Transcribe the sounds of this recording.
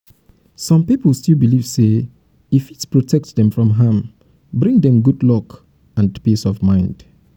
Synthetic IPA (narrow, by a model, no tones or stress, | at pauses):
sɔ̃mpipəlˠstilˠbiliv̥se | ifitpɹɔtʰɛk̚tðɛ̃mfɹɔ̃mɦãm | bɹĩŋdɛ̃mɡudlɔk | ãndpisɔvmãɪ̃nd̥